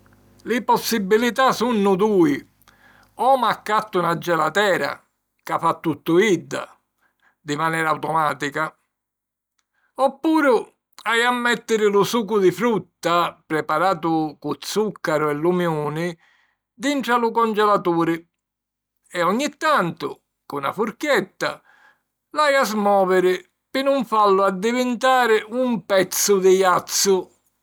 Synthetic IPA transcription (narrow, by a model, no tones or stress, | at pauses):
lɪpɔsːibːilit̪asunːʊd̪uːi | ɔmakːat̪ːʊunad͡ʒːɛlat̪ɛːɾa̰ | kafat̪ːut̪ːʊid̪ːa̰ | d̪imanɛːɾawt̪ɔmaːt̪ika | ɔpːuːɾʊ | ajamːɛt̪ːɪɾɪlusuːkʊd̪ɪfɾut̪ːapɾɛpaɾaːt̪ʊkʊt̪sːukːaɾʊɛlːumjuːnɪ | d̪iɳʈɾalʊkɔnd͡ʒɛlat̪uːɾɪ | ɛɔɲːit̪ːant̪ʊ | kʊna̰fuɾkjɛt̪ːa̰ | lajazmɔːvɪɾɪ | pɪnʊɱfalːʊad̪ːivɪnt̪aːɾɪumpɛt̪sːʊd̪ɪjat̪sːʊ